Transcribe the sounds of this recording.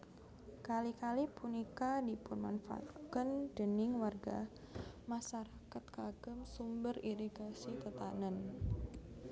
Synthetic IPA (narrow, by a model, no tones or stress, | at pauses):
kalikalipunikadipʊnma̰nfa̰a̰t̪kənd̥ənɪŋwarɡa̰ | masaɾakat̪̚kaɡ̥əmsumbəriɾiɡasit̪ət̪anən